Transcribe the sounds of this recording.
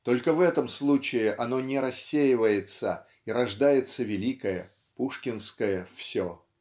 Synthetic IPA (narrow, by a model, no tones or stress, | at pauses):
t̪o̞lʲkəvɛt̪əmslˠut͡ɕɪɪʔɐno̞nʲɪɾɐsʲːejɪvəjɪt̪sə | iɾɐʐd̪ajɪt̪səvʲɪlʲikəjə | puʂkʲɪnskəjəfsʲo